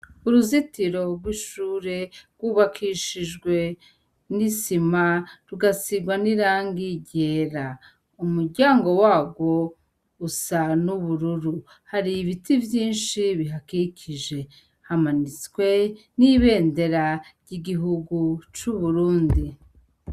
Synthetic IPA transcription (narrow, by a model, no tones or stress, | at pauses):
uɾuzitiɾo̞ɾɡwiʃuːɾe̞ɾɡwuβakʰiʃiʒɡwe̞ | nisimaɾuɡasiɡwaniɾaːŋɡiɟe̞ːɾa | umuɾɟaːŋɡo̞waːɡwo̞ | usanuβuɾuɾu | haɾiβitivjiːnʃiβiɦakicʰiʒe̞ | hamanit͡skwe̞niβe̞ːnde̞ɾaɾjiɡiɦuɡut͡ʃuβuɾuːndi